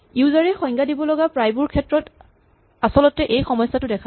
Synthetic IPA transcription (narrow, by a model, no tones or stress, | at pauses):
iwzaɹɛxɔjŋɡadibɔlɔɡapɹajbuɹkʰɛtɹɔt | asɔlɔtɛʔejxɔmɔjsːatʊdɛkʰa